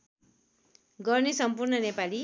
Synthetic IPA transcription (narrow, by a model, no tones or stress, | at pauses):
ɡʌrnesʌmpurnʌnepali